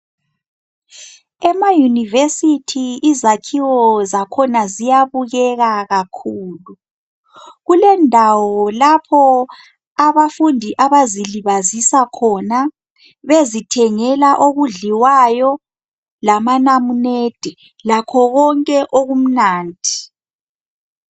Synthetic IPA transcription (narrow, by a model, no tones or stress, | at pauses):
ɛmajunivesitʰiizakʰiwɔzakʰɔnazijaβuɣɛɣaɣakʰuːlu | ɣulɛndʱawɔlapʰɔ | aβafundʱiʔaβaziliβazisakʰɔna | βezitʰɛŋɛlaʔoɣuɮiwajɔ | lamanamuned̥ʱɛ | lakʰɔɣɔŋkʼɛʔoɣum̩naːnd̥ʱi